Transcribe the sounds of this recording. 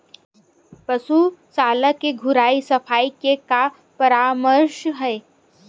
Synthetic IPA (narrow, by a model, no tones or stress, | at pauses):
pɐsusaːlakeɡʱʊɾaːisɐfʰaːikeka | pɐɾaːməɾʃɦɛː